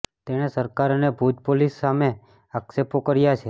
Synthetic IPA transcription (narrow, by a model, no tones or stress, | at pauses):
t̪eɽ̃esəɾkaɾənebʱud̪polisːame | aksepokəɾjat͡ʃʰe